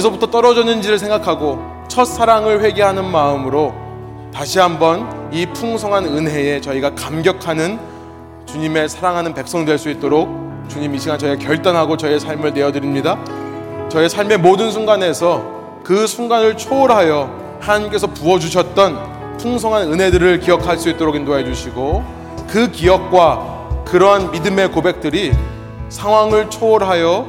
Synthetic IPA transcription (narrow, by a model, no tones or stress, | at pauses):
kes̬ʰʌbutʰʌt͈ʌɾʌd͡ʑʌnɯnd͡ʑiɾɯɭsʰeŋɡakʰaɡo | t͡ɕʰʌt̚s͈ʰaɾaŋɯɭɸwe̞ɡeɦanɯnmaɯmɯɾo | taɕʰiɦambʌnipʰuŋsʰʌŋɦanɯnɦe̞e̞t͡ɕʌiɡakamɡjʌkʰanɯn | t͡ɕuɲime̞sʰaɾaŋɦanɯnpe̞k̚s͈ʌŋdwe̞ɭs͈uit̚t͈oɾok̚ | t͡ɕuɲimiɕʰiɡant͡ɕʌiɡakjʌɭt͈anɦaɡot͡ɕʌie̞sʰaɭmɯɭne̞jʌdɯɾimɲida | t͡ɕʌesʰaɭme̞modɯns̬ʰuŋɡane̞sʰʌ | kɯsʰuŋɡanɯɭt͡ɕʰoːɾɦajʌ | hanaɲimk͈e̞sʰʌpuʌd͡ʑuɕʰʌt̚t͈ʌn | tʰoŋsʰʌŋɦanɯnɦe̞dɯɾɯɭkijʌkʰaɭs͈uit̚t͈oɾokʰindoaɦe̞d͡ʑuɕʰiɡo | kɯkiʌk̚k͈wa | kɯɾʌɦanmidɯme̞kobe̞k̚t͈ɯɾi | sʰaŋɦwaŋɯɭt͡ɕʰoːɾɦajʌ